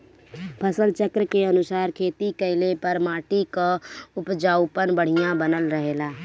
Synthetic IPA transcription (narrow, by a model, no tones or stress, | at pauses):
pʰəsəlt͡ʃəkɾəkeənʊsaːɾkʰeːt̪ikəɪlepəɾmaːʈikaʊpd͡ʒaːʊpənbəɽ̤ijãbənəlɾəɦeːlaː